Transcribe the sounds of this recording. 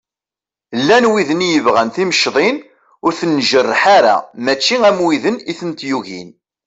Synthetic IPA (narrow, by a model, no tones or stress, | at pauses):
lːænwiðənjəvʁænθiməʃðˤin | ʊɾθənːʒərːəħaɾa̰mæt͡ʃːiæmwiðəniθənt̪juʝḭn